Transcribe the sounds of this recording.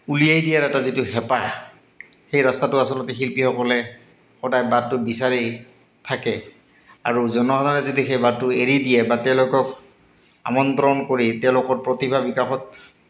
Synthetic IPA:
ulijajdijaɹɛtazitʊxɛpax | xejɹastatʊasɔlɔtɛxilpixɔkɔlɛ | xɔdajbat̚ːʊbisaɹi | tʰakɛ | a̰ɹuzɔnɔɦɔdaɹɛzodixejbatːʊeɹidijɛbatɛʊ̃lʊkɔk | a̰mɔnt̪ɹɔnkoɹitɛʊ̃lʊkɔɹpɹɔtibʱabikaxɔt

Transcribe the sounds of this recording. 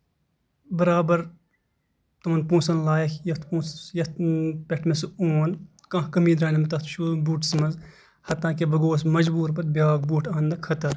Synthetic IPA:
bɐɾaːbɐɾ | t̪õːnpũːsɐnlaːjkjɐt̪pũːsjɐt̪̚ʰpʲeʈʰmesuoːn | kãːkɐmiːd̪ɾaːnimɐt̪ɐt̪ʃuːbuːʈsmɐz | hɐt̪ːãːkebɐɡoːsmɐd͡ʒbuːɾpɐt̪̚bʲjaːɡ̚buːʈʰãːnd̪ɐkʰɐt̪ɐɾ

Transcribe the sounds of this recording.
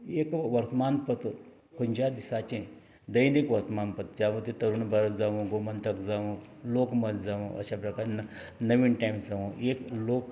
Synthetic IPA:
ekʋɐɾt̪manpət̪ | kond͡ʑad̪isat͡ɕẽ | d̪əjinikʋɐɾt̪manpət̪̚d͡ʑaməd̪et̪əɾuːnbəɾət̪d͡zaʋũɡomənt̪əkd͡zaʋũloːkməd͡zd͡zaʋũʔɐ̰ɕapɾɐkaɾna | nəʋiːnʈajmsd͡zaʋũekloːk

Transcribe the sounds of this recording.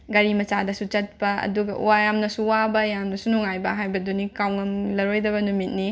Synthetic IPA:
ɡɐɾimɐt͡ʃadɐsut͡ʃɐt̚pɐɐ̰duɡɐ̰ʔṵwajamnɐsuwabɐjamnɐsunuŋajbɐɦajbɐdunikawŋɐmlɐɾojdɐβɐnumit̚ni

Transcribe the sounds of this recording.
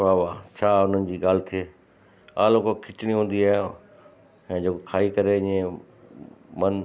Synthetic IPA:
aːʋat͡ɕʰaːʊn̤ənɪ̆d͡ʑiːɡaːl̤ɪt̪ʰieː | a̰ːloːkokʰɪt͡ɕɪɽ̃iɦũːn̆d̪iaːɦjjõ | ɛ̃ːd͡ʑoːkokʰaːikɐɾeɪ̃ẽ | mɐn

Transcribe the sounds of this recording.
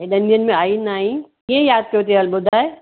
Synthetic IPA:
ẽɗ̪ɐnijənmẽaːinaːɦĩkĩẽjaːd̪̚kɐjot̪iɐlbʊd̪ʱaːe

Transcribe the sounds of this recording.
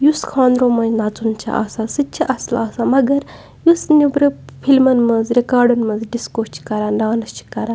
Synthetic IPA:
juskʰãːnd̪ɾõːmɐ̃nnat͡sunt͡ʃʰa̰ʔɐ̰sasɨt͡ʃʰiʔɐslaːsamɐɡɐɾ | jusnubɾɨpʰilmɐnmɐnzɾekaːɾɖɐnmɐnzɖiskoːst͡ʃʰi̥kɐɾanɖaːnɐst͡ʃʰi̥kɐɾa

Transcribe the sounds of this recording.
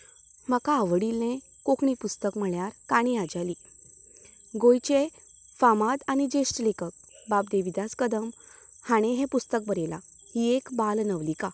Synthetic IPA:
məkaəʋəɽilːẽ | kokɳipust̪əkm̤əɭjaɾkaɽ̃ẽad͡ʑali | ɡojt͡ɕe | famad̪añid͡ʑesʈlekək̚ | bap̚d̪eʋid̪askəd̪əm | haɽ̃ẽɦɛ̃pust̪ək̚bəɾela̰ | hiekbalnəʋlika

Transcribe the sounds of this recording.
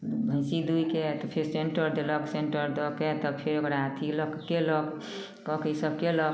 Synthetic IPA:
bʱə̃ɪsid̪ujket̪ɔpʰeɾseɳʈəɾd̪elɔkseɳʈəɾd̪ɔket̪ɔpʰeɾokəɾat̪ʰilɔkkelɔk | kɔkisəb̚kelɔk

